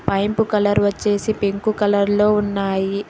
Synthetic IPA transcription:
pɐjmpukɐlɐɾʋɐt͡ʃːe̞ːsipeŋkukɐlɐɾlo̞ːunːaːji

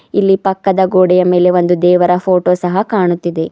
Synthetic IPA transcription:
ilːipɐkːɐd̪ɐɡoːɽɛjɐme̞ːle̞ʋo̞nd̪ud̪ɛːʋɐɾɐpʰo̞ːʈoːsɐɦɐkaːɳut̪ːid̪e̞

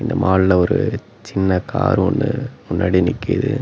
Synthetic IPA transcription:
ɪnd̪ɐmaːɭlɐɔɾɯ | t͡ʃɪnːɐkaːɾɯɔnːɯmʊnːaːɽinɪkːɪ̰ðɯ̰

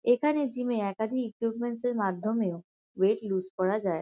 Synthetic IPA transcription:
ekʰaned͡ʑimeɛkad̪ʱikikjubmenseɾmad̪ʱːomeo | weʈluskɔɾad͡ʑae

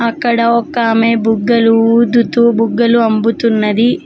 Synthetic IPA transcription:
ɐkːɐɽɐɔkːɐːmeːbuɡːɐluuːd̪ut̪uːbuɡːɐluɐmbut̪unːɐd̪i

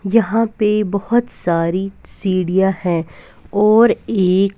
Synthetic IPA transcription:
jɐɦãpebɐɦʊt̪saːɾisiːɽijahɛ̃ | ɔːɾeːk

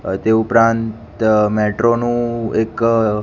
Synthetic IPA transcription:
t̪eupɾãnt̪mɛʈɾonũek

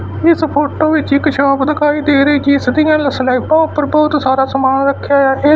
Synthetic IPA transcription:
ɪspʰoːʈoːʋɪt͡ʃɪkʃʰãːpd̪əkʰaːiːd̪eːɾəiːd͡ʒiɪsd̪ijãːləslaːipãːʊpəɾbɔːt̪saːɾaːsəmaːnɾəkʰːjaːjaːʔeː

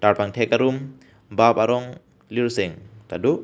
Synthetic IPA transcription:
taɾpaŋtʰekaɾum | bapaɾɔŋ | liɾseŋkadu

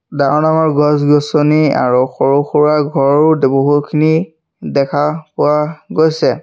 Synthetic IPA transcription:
daɔnamɔɹɡɔsɡɔsɔnia̰ɹuxɔɹuxuɹaɡʱɔɹʊdboɦutkʰini | dɛkʰapʊwaɡojsɛ

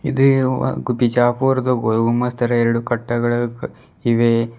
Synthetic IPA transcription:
id̪uɡupit͡ʃaːpuːɾɐd̪uɡoɡumːɐst̪ʰɐɾɐeɾɐɽukɐʈːɐɡɐɭɐ | iʋe

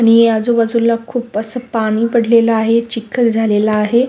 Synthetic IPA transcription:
aɽ̃iad͡zoʋəd͡zulːakʰuːpəsəpaɽ̃iːpəɽ̤lelaaɦet͡ɕikʰət̪d͡zʱalelaːɦe

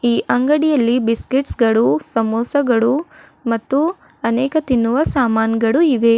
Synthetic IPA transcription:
iːʔɐŋɡɐɽijɐlːibiskiʈsɡɐɭusɐmoːsɐɡɐɭu | mɐt̪ːuɐnɛːkɐt̪inːuʋɐsaːmaːnɡɐɭuiʋe

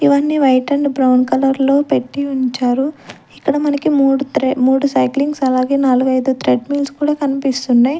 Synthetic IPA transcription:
iʋɐnːiːʋɐjʈɐɳɖbɾɐwnkɐlɐɾlo̞ːpe̞ʈːiuɲt͡ʃaːɾu | ikːɐɽɐmɐnɐkimːmuːɽusɐjkliŋɡsɐlaːɡe̞ːnaːluɡɐjd̪ut̪ɾeɖmiːlskuːɽaːkɐnipist̪unːaːji

